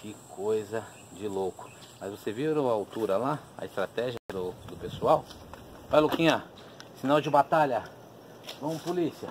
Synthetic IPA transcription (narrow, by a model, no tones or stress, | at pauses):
kɪkʰojzɐ | d͡ʒɪlokʊ̥ | mɐzvoseviɾʊaawt̪uɾɐlaɐ̰ɪst̪ɾat̪ɛʒiɐd̪ʊd̪ʊpesuaw | vajlokĩɲa | sinawd͡ʒɪbat̪aʎɐ | vɐ̃m̃ʊ̃polisiɐ